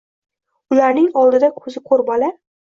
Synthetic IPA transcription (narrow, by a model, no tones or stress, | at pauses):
ʊlaɾnɪŋɒlˠd̪ɪd̪akʰɵzɪqʰoɾbɒla